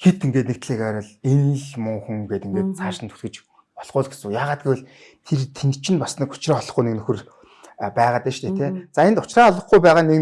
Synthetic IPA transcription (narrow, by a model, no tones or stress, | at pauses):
xet̪eŋɡeːt̪nek̚t̪ɮeːkaɾə̆ɮen̆ɮmɵŋxŭŋɡeːt̪iŋɡeːt̪̚t͡sʰaːʃɪ̆nt̪ʰu̥ɮɡɘ̆t͡ɕ | pɔɮʁʊːɮɡesɘ̆jaːʁaːt̪̚ɡʲiwʊɮ | t̪ʰert̪ʰent̪t͡ɕʰɪ̆npasniːkʊ̥t͡ɕraːɔɮɞ̆χɡujnĕknɵxɵ̆r | pæːʁaːt̪eːʃt̪ʰeːt̪ʰeːt͡saːent̪ʊt͡ɕraːɔɮə̆χɡujpæːʁaːnek